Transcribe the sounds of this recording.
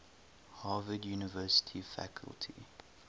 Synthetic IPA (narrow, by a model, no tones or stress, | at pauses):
hɑːvədjuːnɪvɜːˑsɪ̥tʰifæ̰kʰə̰lˠtʰḭ